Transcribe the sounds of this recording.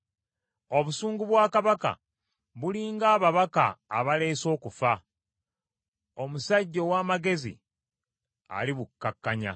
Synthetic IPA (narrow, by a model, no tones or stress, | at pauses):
o̞βusuːŋɡuβwaːkaβaka̰ | βuliːŋɡaːβaβaka̰ːβale̞ːso̞ːkufa | o̞musaɟːo̞waːmaɡe̞zḭ | a̰liβukːakːaɲa̰